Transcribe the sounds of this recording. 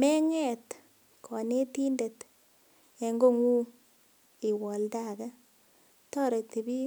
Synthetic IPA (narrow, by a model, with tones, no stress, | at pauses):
mɛ˦ŋɛ˦˨t | kʰɔ˨ne˦ti˦nde˨t | e˨ŋɡo˦ŋu˦ | i˨wɔ˨lda˦˨ka˦ | tɔ˦ɾe˨ti˨bi˦